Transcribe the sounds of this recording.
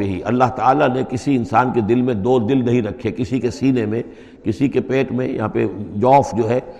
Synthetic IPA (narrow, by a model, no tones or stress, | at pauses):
eɦiʔɐ̰lːaɦt̪aːlanekɪsiɪnsaːnked̪ɪlmẽd̪oːd̪ɪlnɐɦĩɾɐkʰːekɪsikesiːnemẽ | kɪsikepeːʈmẽjɐ̰ɦãːpḛd͡ʒɔːfd͡ʒoːɦɛː